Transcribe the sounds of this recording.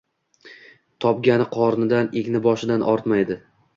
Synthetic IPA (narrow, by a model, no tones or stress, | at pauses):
t̪ʰɒpɡʲanɪqʰɒɾnɪd̪anekʲnɪbɒʃɪd̪anʔɒɾt̪majd̪ɪ